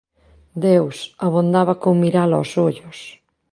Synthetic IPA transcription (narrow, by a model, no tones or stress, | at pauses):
d̪ewsaβond̪aβakoŋmiɾalɔ̰soʎʊs